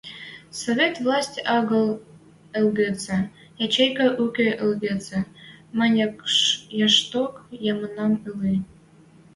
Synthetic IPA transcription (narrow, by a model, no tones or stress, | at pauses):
sovʲet̪vlˠɑsʲtʲɑɣɤ̆lˠ | ə̆lɡet͡se | jɑt͡ɕejkɑ̆ʔukʲeʔə̆lɡet͡semɑnʲ | jɑʃt̪okjɑmɤnɑmɯli